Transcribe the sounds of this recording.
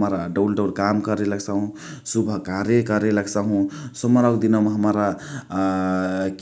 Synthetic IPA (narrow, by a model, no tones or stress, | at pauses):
mɾaɖəwlɖəwlkamkəɾeləɡsaɦũ | subʱəkaɾekəɾeləɡsaɦũsəməɾawkd̪inɔmɦəmɾa | k